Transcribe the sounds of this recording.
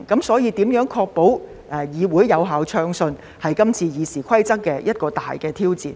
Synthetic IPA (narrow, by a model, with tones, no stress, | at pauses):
kɐ˨˥msɔː˨˥jiː˧t̪iː˨˥mjœː˨˥ŋkʰɔː˧k̚po˨˥w | ʔɛː˨˩jiː˨˧wuː˨˥jːɐ˨˧wɦaː˨˧wt͡ʃʰœː˧ŋsɵ˧n | hɐ˨jkɐ˥mt͡sʰiː˧jiː˨˧siː˨˩kʷʰɐ˥jt͡sɐ˥k̚kːɛː˧jɐ˥t̚kɔː˧t̪a̰ː˨jkɛː˧t̪ʰiː˥wt͡sḭː˨˩n